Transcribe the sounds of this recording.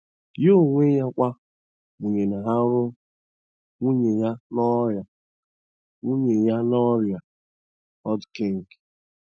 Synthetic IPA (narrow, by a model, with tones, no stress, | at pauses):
jo˦ŋʷe˦ja˦kʷa˦ | u˨ɲe˨na˨ɦa˦ɾʊ˦ | u˦ɲe˨ja˦nɔ˦ɾja˨ | u˦ɲe˨ja˦nɔ˦ɾja˨ | ɔ˦dke˦˨ŋ̩˨ɡ